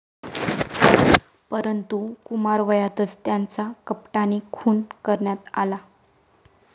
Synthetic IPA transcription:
pəɾənt̪ukumaɾʋəjat̪ət͡st̪jant͡sakəpʈanikʰuːnkəɾɳjat̪a̰la

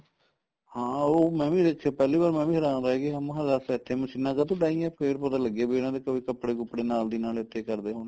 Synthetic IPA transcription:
hãːoːmɛ̃ːʋĩːd̪eːkʰːaːpɛːliːbaːɾmɛ̃ːʋĩːɦəɾãːnd̪aːɦɛːkeamɦəzasɪt̪ʰːeːməsɪnːaːkat̪õːɖaːĩːɛ̃pkeːɾpət̪aːləɡeːbeːnãːd̪eːkəʋiːkəpːɽeːkəpːɽeːnaːld̪iːnaːlɪt̪ʰːeːkəɾd̪eːɦoːn

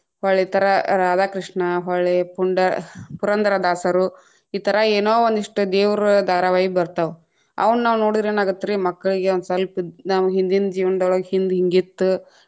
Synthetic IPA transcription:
haːɭet̪ɐɾɐɾaːd̪aːkɾiʂɳɐɦaɭepuɳɖɐpuɾɐnd̪ɐɾɐd̪aːsɐɾu | iːt̪ɐɾɐeːnoːʋond̪iʂʈud̪eːʋɾɐd̪ʱaːɾɐʋaːjibɐɾt̪ɐʋ | ɐ̰ʋɐnnaːʋnoːɽid̪ɾeːnaːɡut̪ːɾimɐkːɐɭiɡeond̪usɐlpinaːʋɐɦind̪ind͡ʒiːʋɐnɐd̪ɔɭɐɡhind̪ɦiŋɡit̪ːu

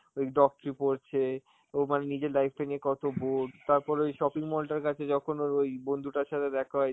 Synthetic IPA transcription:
ek̚ɖɔk̚ʈɾipoɾt͡ɕʰe | omanenid͡ʑeɾlajfʈaniekɔt̪oboɖt̪aɾpɔɾojʃɔpiŋmɔlʈaɾkat͡ɕʰed͡ʑɔkʰonoojbond̪ʱuʈaɾʃat̪ʰed̪ɛkʰaɦɔ

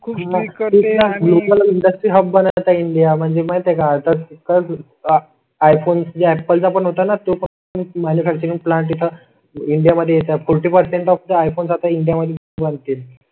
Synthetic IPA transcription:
kʰːɦainalokəliɳɖəsʈɾiːɦəb̚bənt̪aiɳɖijam̤əɳd͡zemajt̪ekat̪əɾkə | ajfonsd͡ʑaɛpəlsapəɳɦot̪anat̪opə | nmanufʰæk̚t͡ɕəɾiŋplãɳʈ̪ːit̪ʰə | iɳɖijaməd̪ʱːjejet̪afʰɔɾʈiːpəɾseɳʈɔft̪aajfonsat̪aiɳɖijaməd̪ʱjeɡubənt̪iːl

